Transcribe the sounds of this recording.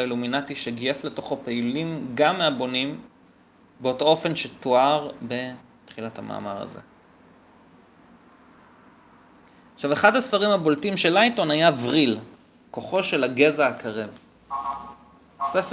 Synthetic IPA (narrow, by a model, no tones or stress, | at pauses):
iluminatiʃeɡiesle̞to̞χo̞peilimɡamːeabo̞nim | beo̞to̞o̞fe̞nʃetoaʁbe̞ | tχilathama̰ːma̰ʁa̰ze̞̰ | aχʃaveχadhasfaʁimaboltimʃe̞lajto̞najavʁil | ko̞χo̞ʃe̞laɡe̞zaakʰaʁev | sef